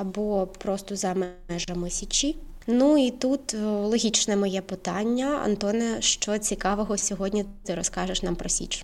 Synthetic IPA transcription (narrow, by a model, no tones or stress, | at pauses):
ɐbɔpɾɔst̪ɔzɐm | ɛʒɐmɪsʲɐt͡ʃʲinuit̪ut̪lˠɔɦʲit͡ʃnɛmɔjɛpɪt̪ɑnʲːɐɐ̰nt̪ɔnɛʃt͡ʃɔt͡sʲikɑʋɔɦɔsʲɔɦɔdʲnʲit̪ɪɾɔskɑʒɪʃnɑmpɾɔsʲḭt͡ʃ